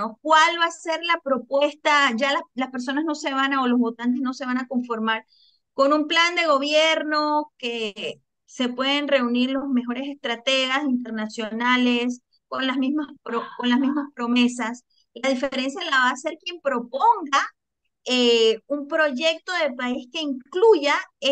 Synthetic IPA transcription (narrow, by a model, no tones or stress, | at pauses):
ok̚walβase̞ɾlapɾo̞pwe̞st̪aʝalalaspeɾs̬o̞nazno̞se̞βanaolo̞zβo̞t̪ant̪̬e̞zno̞se̞β̞anako̞ɱfo̞ɾmaɾ | ko̞numpland̪e̞ɣo̞βje̞ɾno̞ke̞ | se̞pwe̞ðenre̞uniɾlo̞zmexo̞ɾe̞se̞st̪ɾat̪e̞ɣasint̪̬e̞ɾnasjo̞nale̞s | ko̞nlazmizmaspɾoko̞nlazmizmaspɾo̞me̞sas | laðifeɾe̞ns̬jalaβaːse̞ɾkje̞mpɾo̞po̞ŋɡa | eumpɾo̞ʝe̞k̚t̪o̞ðe̞paiske̞iŋkluʝae